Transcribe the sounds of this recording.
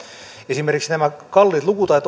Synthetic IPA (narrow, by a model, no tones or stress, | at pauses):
esimerkiksnæmækɑlːiːt̪lukut̪ɑit̪